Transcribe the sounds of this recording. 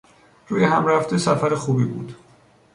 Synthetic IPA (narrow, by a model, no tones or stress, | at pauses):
ɾuːjehæmɾæft̪esæfæɾexuːbiːbṵːd̪̥